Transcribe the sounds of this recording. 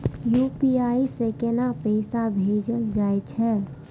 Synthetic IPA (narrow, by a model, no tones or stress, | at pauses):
juːpiaːisekenapəɪsabʱeːd͡ʒəld͡ʒaːet͡ʃʰɛː